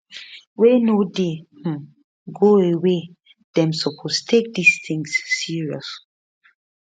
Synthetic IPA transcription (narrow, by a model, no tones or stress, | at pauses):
wenodeh̩ | ɡoewe | d̥ɛ̃msɔpʰostʰek̚disθĩŋsːiɹiɔs